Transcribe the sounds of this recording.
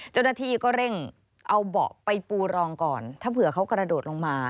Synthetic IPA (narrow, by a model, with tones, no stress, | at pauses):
t͡ɕa˥˩wnaː˥˩t̪ʰiː˧˩kɔː˥˩ɾe˥˩ŋ | ʔa˧wbɔ̰ː˨˩k̚pa˧jpuː˧ɾɔː˧ŋkɔː˨˩nt̪ʰaː˥˩pʰɯ˨˩ɐ˦kʰa˦˥wkɾa˧doː˨˩t̪̚lo˧ŋmaː˧